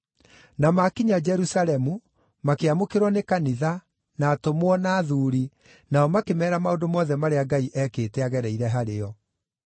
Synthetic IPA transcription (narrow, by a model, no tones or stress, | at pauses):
namakiɲad͡ʒɛɾusalɛmu | makeamokeɾwɔnekaniða | naːtomwɔnaːðuːɾi | naɔmakemɛːɾamaodomɔːðɛmaɾeaɡaiʔɛkeːtɛaɣɛɾɛiɾɛɦaɾeɔ